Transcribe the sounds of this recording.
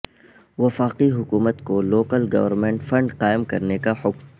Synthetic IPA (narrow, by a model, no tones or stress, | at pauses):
ʋɐfaːqiɦʊkuːmət̪koloːkəlɡɐ̰ʋəɾmẽːɳʈfɐ̃ɳɖqaːɪmkɐɾnekahʊkm